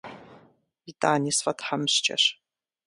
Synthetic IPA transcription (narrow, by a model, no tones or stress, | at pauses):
vitʼaːnʲisfɐtʰħamɕt͡ʃʼɐ̰ɕ